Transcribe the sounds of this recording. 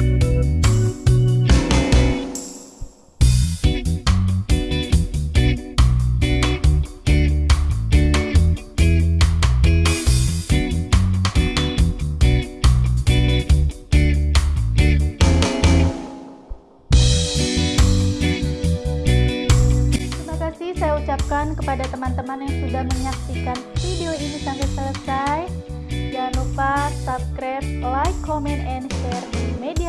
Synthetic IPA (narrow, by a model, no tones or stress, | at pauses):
t̪ɾimakasɪhsajaut͡ʃap̚kankəpadat̪əmant̪əmanjaŋsudahməɲaksikanfideoinisaŋkɛt̪̚sələsaj | d͡ʒanupasap̚kɾɛt̪̚lajkːomɛnɛnʃɛrdimedia